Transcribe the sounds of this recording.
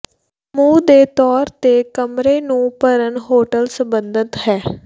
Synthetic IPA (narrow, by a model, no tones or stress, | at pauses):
mũːd̪eːt̪ɔːɾt̪eːkəmɾeːnũːpəɾənɦoːʈəlsəmbənd̪ət̪ɦɛː